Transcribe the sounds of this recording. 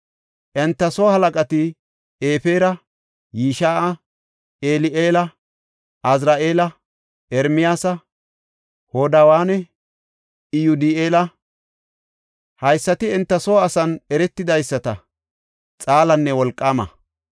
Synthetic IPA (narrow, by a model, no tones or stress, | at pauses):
ʔɛnt̪ːɐsoːhɐlɐkʼɐt̪ɪ | eːfe̞ːɾɐ | jiːʃaːʔɐ | ʔeːlɪʔeːlɐ | ʔɐzɾaːʔeːlɐ | ɛɾmɪjaːsɐ | hoːd̪awaːnɛ | ɪjʊd̪ɪeːlɐ | hɐjsːɐt̪ɪɛnt̪ːɐsoːɐsɐnɛɾɛt̪ːɪd̪ɐjsːɐt̪ɐ | t͡sʼaːlɐnːɛwɔlkʼːaːmɐ̰